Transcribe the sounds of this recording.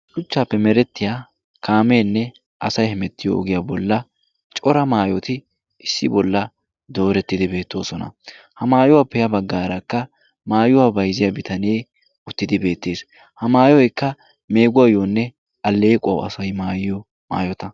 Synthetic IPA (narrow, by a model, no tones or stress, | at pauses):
ʃʊt͡ʃːaːpːɛmɛɾɛt̪ːɪja | kʰaːme̞ːnːɛ | ʔɐsɐjhɛmɛt̪ːɪjɔ̰ɔ̰ɡɪjabɔlːɐ | t͡ʃʼɔɾɐmaːjɔt̪ɪ | ɪsːɪbɔlːɐ | d̪o̞ːɾɛt̪ːɪd̪ɪbe̞ːt̪ːo̞ːsɔnɐ̰ | hɐmaːjʊwapːɛjɐbɐɡːaːɾɐkːɐ | maːjʊwabɐjzɪjɐbɪt̪ɐne̞ː | ʊt̪ːɪd̪ɪbe̞ːt̪ːeːs | hɐmaːjɔjɛkːɐ | me̞ːɡʊwajoːnːɛ | ɐlːeːkʼɐwɐ̰sɐjmaːjɪjɔ | ma̰ːjɔt̪ɐ